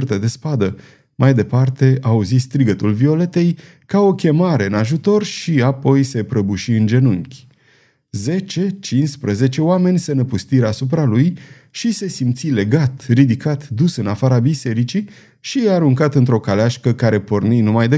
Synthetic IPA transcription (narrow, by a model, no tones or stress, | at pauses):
rt̪əd̪e̞spad̪ə | majd̪e̞part̪e̞auzist̪ɾiɡət̪ulvio̞le̞t̪e̞j | kao̞kʲe̞maɾe̞ɨnaʒut̪o̞rʃiapo̞jse̞pɾəbuʃiɨnd͡ʒe̞nuŋkʲ | ze̞t͡ʃe̞t͡ʃinspɾəze̞t͡ʃe̞oame̞nʲsenəpust̪iɾasup̬ɾaluj | ʃise̞simt̪sile̞ɡat̪rid̪ikat̪d̪usɨnafaɾabise̞ɾit͡ʃi | ʃiaɾuŋkat̪ɨnt̪ɾo̞kaleaʃkəkaɾe̞po̞rninumajd̪e